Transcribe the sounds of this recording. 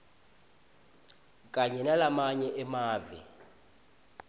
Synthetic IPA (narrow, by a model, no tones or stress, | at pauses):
kʼaɲɛnalamaɲɛʔɛmaːvḭ